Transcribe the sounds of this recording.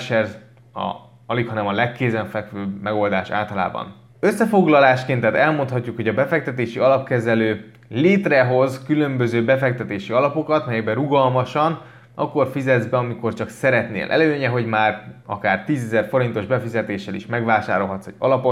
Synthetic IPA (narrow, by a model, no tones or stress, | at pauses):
ʃɛrz | ɒ̰ | ɒlikhɒnɛmɒlɛkːeːzɛɱfɛkʋøːbmɛɡo̞ld̪aːʃa̰ːlt̪ɒla̰ːbɒ̰n | øsːɛfo̞ɡlɒlaːʃkeːnt̪ɛt̪ɛlmo̞nt̪hɒcːukho̞ɟɒbɛfɛk̚t̪ɛt̪eːʃiɒlɒpkɛzɛløː | leːt̪rɛɦo̞zkylø̞mbø̞zøːbɛfɛk̚t̪ɛt̪eːʃiɒlɒpo̞kɒt̪mɛjɛɡbɛɾuɡɒlmɒʃɒn | ʔɒ̰kːo̞rfizɛd̪zbɛɒmiko̞rt͡ʃɒksɛɾɛt̪nḛːlʔɛ̰løːɲɛɦo̞ɟmaːrɒ̰kaːrt̪iːzɛzɛrfo̞ɾint̪o̞ʒbɛfizɛt̪eːʃɛlḭʃmɛɡʋaːʃaːɾo̞lɦɒt̪sɛ̰ɟ̥ɒ̰lɒpo̞t